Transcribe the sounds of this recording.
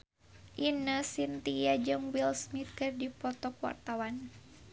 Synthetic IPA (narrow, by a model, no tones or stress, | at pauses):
ʔinəsint̪ijad͡ʒɨŋwilsmit̪̚kɨrdipɔt̪ɔkwa̰rt̪awan